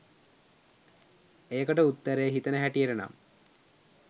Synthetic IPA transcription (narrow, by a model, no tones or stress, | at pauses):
ejəkəʈəut̪ːəɾejəɦit̪ənəɦæʈijəʈəna̰m